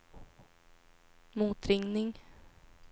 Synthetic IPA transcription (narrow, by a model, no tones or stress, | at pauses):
muːt̪ɾɪŋnɪŋ